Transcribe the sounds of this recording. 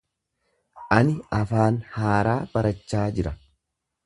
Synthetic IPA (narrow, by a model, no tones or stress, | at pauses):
ʔɐnɪɐfaːnhaːɾaːb̥ɐɾɐt͡ʃːaːd͡ʒɪɾɐ